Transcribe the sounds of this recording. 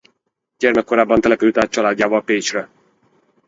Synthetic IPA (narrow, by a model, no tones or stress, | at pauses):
ɟɛrmɛkːo̞ɾaːbːɒnt̪ɛlɛpyd̪yt̪aːt̪̚t͡ʃɒlaːd̪ːaːvɒlpeːt͡ʃrɛ